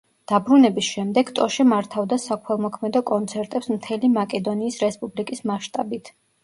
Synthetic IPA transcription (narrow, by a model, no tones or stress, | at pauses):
d̪̥abɾunɛbisʃɛmd̪ɛɡt̪ʼɔʃɛmaɾt̪ʰavd̪asakʰɛlˠmɔkʰmɛd̪ɔkʼɔnt̪sʰɛɾt̪ʼɛpsmt̪ʰɛlimakʼɛd̪ɔniːsɾɛspʼublikʼismaʃt̪ʼabit̪ʰ